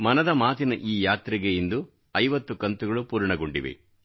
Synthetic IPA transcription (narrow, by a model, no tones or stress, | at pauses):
mɐnɐd̪ɐmaːt̪inɐʔiːjaːt̪ɾiɡejind̪u | ɐjʋɐt̪ːukɐnt̪uɡɐɭupuːɾɳɐɡoɳɖḭʋḭ